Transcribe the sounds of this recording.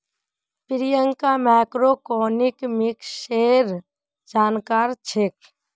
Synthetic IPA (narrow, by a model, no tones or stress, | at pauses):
pɪɾɪjəŋkamɛːkɾokoːnɪkmɪkʃeːɾ | d͡ʒaːnkaːɾt͡ʃʰek̚